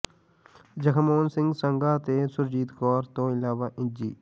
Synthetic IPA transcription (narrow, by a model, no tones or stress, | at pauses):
d͡ʒəkʰəmoːnsɪ̃ŋɡsə̃ŋɡaːt̪esʊɾd͡ʒiːt̪kɔːɾt̪oɪlaːʋaːʔɪ̃nd͡ʒiː